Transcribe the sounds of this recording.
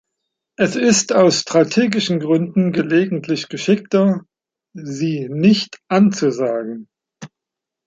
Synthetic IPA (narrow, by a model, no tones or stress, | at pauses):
ʔɛsɪstaʊsʃtʁ̥atʰeːɡɪʃn̩ɡʁʏndn̩ɡəleːɡŋ̩tʰlɪçɡ̥əʃɪk̚tɐ | ziːnɪçtʔant͡suzaːɡŋ̩